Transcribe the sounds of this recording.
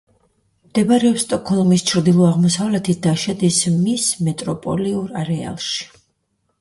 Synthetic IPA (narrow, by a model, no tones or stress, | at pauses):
md̪̥ɛbaɾɛɔpst̪ʼɔkʰɔlˠmist͡ʃʰɾd̪ilˠɔaʁmɔsavlɛt̪ʰit̪̚ʰd̪aʃad̪ismismɛt̪ʼɾɔpʼɔ̰liuɾaɾɛa̰lˠʃi̥